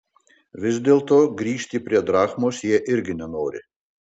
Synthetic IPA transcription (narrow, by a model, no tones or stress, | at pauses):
ʋʲɪzʲd̪ʲeːlˠt̪oːɡɾʲiːʃʲt̪ʲipʲɾʲiɛd̪ɾɑːxmoːsjiɛʔɪɾʲɡʲɪnʲɛnoːɾʲɪ̰